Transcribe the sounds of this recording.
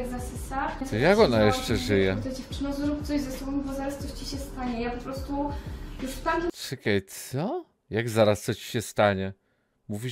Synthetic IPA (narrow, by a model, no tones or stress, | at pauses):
ɛɡzasɪsajakɔnajɛʂt͡ʂɛʐɘjɛt̪ad͡ʑɛft͡ʂɘnazɾupt̪sɔʑzɛsɔbɔmbɔzaɾast̪sɔt͡ɕiɕɛst̪aɲɛjapɔpɾɔst̪ujuʂft̪ak̪ʲʂɨkajt̪sɔ | jaɡzaɾast̪sɔt͡ɕi̥ɕɛst̪aɲɛ | muvʲi